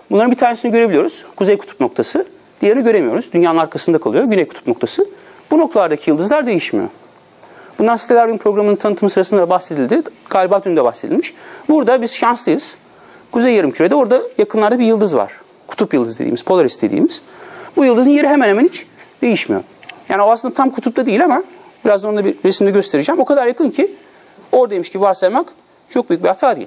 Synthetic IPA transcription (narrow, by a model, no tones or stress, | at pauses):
bunˠaɾɯnbit̪ʰaːɾnesiniɟø̞ɾe̞bilʲijo̞ɾuz̥kʰuzejkʰu̥t̪ʰu̥p̚no̞k̚t̪ʰasɯ | d̪̥ijeɾiniɟø̞ɾe̞mijo̞ɾuzd̪ynjaːnɯnaɾkʰasɯnd̪akʰalˠɯjoɟynejku̥t̪ʰu̥pno̞kt̪ʰasɯb̥uno̞k̚t̪ʰalˠaɾd̪acʰijɯlˠd̪ɯzlˠaɾd̪e̞jiʃmḭjo̰ | b̥und̪ansi̥t̪ʰe̞lʲæɾd̪ynpʰɾo̞ɡɾamɯnɯnt̪ʰanɯt̪ʰːɯmɯsɯɾasɯnd̪ad̪abaxse̞d̪ilʲd̪ɪɡ̥aːlʲbaːd̪ynyd̪ɛbaxse̞d̪ilʲmiʃbuɾd̪abiz̥ʃanslɯjɯz̥ | kʰuzejːaɾɯmcʰyɾe̞d̪ɛo̞ɾd̪ajakʰɯnlˠaɾd̪abijɯlˠd̪ɯzva̰ɾ̥ | kʰu̥t̪ʰupjɯlˠd̪ɯzd̪ed̪ḭːmiz̥pʰo̞lˠaɾist̪ʰe̞d̪ḭːmiz̥bujɯlˠd̪ɯzɯnje̞ɾiɦemænhemænit͡ʃd̪e̞jiʃmijo̰ | jaːnioasˠɯnd̪at̪ʰamkʰut̪ʰup̚t̪ʰad̪ijilʲama | biɾazd̪aonaɾesimd̪ɛɟø̞st̪ʰe̞ɾid͡ʒæːmo̞kʰad̪aɾjakʰɯncʰi | o̞ɾd̪ad̪emiʃcibibahsˠat̪mak | t͡ʃʰo̞k̚byjyc̚bihat̪ʰaːd̪ḭjḭ